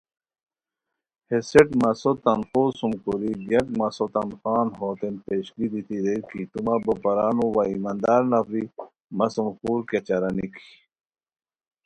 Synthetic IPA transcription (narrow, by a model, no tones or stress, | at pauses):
heseʈmɐsot̪ɐnxoːsumkuɾiɡɐkmɐsot̪ɐnxaːnɦot̪enpeːɕɡid̪it̪iɾekit̪umabɐpɐɾaːnuwaimand̪aɾnɐfɾi | mɐsumxuːɾket͡ɕɐɾɐnikʰi